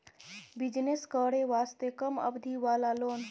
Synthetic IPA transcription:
bid͡ʒneskəɽeʋaːst̪ekəmə̰bd̪ʱiʋaːlalon

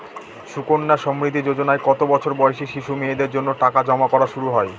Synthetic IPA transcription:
ʃukonːaʃɔmɾit̪ːid͡ʑod͡ʑonaekɔt̪obɔt͡ɕʰoɾbɔeʃiʃiʃumied̪eɾd͡ʑonːoʈakad͡ʑɔmakɔɾaʃuɾuɦɔe

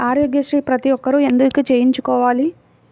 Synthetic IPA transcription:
aːɾjoːɡjɐʃɾiːpɾɐt̪iɔkːɐɾue̞nd̪ukit͡ʃeːjiɲt͡ʃukɔːʋaːli

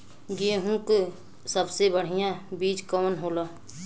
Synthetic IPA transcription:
ɡieɦũk | səbsebəɽ̤ijãbiːd͡ʒkɔːnɦoːlaː

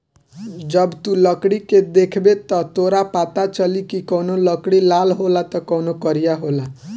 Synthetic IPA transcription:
d͡ʒʌbt̪ũlʌkɽiked̪ekʰbet̪ʌt̪oɾapat̪at͡ʃʌlikikɔwnolʌkɽilalɦolat̪ɔkɔwnokʌɾijaɦola

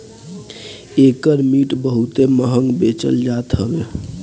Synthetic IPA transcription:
ekəɾmiʈbəɦut̪eməɦəŋɡbet͡ʃə̰ld͡ʒat̪ɦəbe

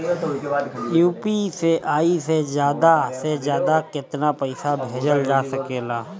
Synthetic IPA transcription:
juːpiseʔaːisezjaːd̪asezjaːd̪akɪt̪napəɪsabʱeːd͡ʒəld͡ʒaːsɐkeːlaː

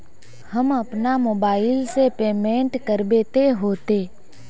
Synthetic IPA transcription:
həmɐpnamoːbaːɪlsepeːmẽːɳʈkəɾbeːt̪eɦoːt̪eː

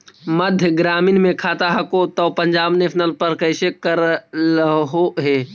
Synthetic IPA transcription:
məd̪ʱjəɡɾaːmɪnmẽkʰaːt̪aɦɐkot̪oːpəɲd͡ʒaːbnepʰnəlpəɾkəɪsekəɾlɦoɦeː

